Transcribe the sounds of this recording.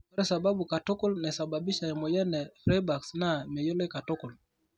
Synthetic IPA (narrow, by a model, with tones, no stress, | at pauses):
ɾɛ˦sa˨ba˦ɓu˨ka˨tɔ˦kɔ˦lnɛ˨sa˨ba˨bi˦ʃa˨ja˨mɔ˨jɛ˦nɛ˨fɾɛ˦ba˨ksna˨mɛ˨jɔ˦lɛ˦ka˨tɔ˦kɔ˨l